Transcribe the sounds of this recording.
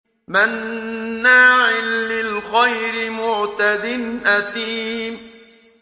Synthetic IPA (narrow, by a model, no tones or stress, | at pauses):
manː | aːʕɪlːɪlxajɾɪmʊʕt̪ad̪ɪnʔat̪iːm